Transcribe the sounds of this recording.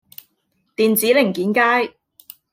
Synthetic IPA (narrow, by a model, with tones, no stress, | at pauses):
t̪iː˨nt͡siː˨˥lɪ˨˩ŋkiː˨˥nkaː˥j